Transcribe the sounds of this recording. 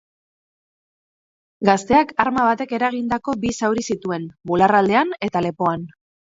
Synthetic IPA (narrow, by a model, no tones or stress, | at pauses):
ɡast̪e̞akaɾmaβ̞at̪e̞ke̞ɾaɣ̞ind̪ako̞bisawɾisit̪ue̞nbularald̪e̞ane̞t̪ale̞po̞an